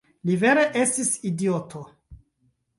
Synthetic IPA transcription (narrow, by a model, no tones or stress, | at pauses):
live̞ɾe̞ʔe̞stisidiotʰo